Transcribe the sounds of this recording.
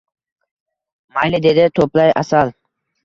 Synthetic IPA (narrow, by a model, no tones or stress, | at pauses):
majlɪd̪e̞d̪ɪt̪ʰoplaja̰salˠ